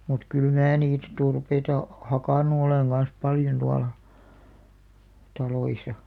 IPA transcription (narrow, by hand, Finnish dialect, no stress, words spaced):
mut kyl mæː niːt turpeitɑ hɑkɑˑnu oleŋ ɡ̊ɑn̞s pɑljon tuɑlɑ tɑloisɑ